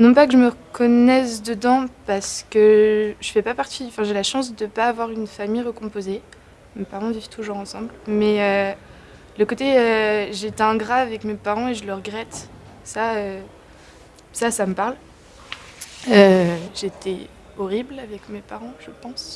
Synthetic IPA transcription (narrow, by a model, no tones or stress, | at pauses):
nɔ̃pakəʒəməʁəkɔnɛsd̪əd̪ɑ̃paʁsə̥kəʒəfɛpapaʁt̪iɑ̃fɛ̃ʒelaʃɑ̃s̬d̪əpaːvwaʁynfamijʁəkɔ̃poze | mepaʁɑ̃vivt̪ʰuʒuʁɑ̃sɑ̃blmɛø | ləkot̪eøʒet̪ɛ̃ɡʁaːvɛkmepaʁɑ̃eʒələʁəɡʁɛt̪ | saø | sasaməpaʁl | øʒet̪ʰɛ | ɔʁiblavɛkmepaʁɑ̃ʒəpɑ̃s